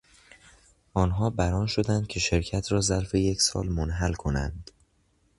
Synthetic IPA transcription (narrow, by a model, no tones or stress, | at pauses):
ʔɒːnɦɒːbæɾɒːnʃo̞d̪ænd̪̚cʲʰe̞ʃe̞ɾcʰæt̪ʰɾɒːzæɾfe̞jecʰsɒ̰ːlmonɦælkʰo̞næ̰nd̪̥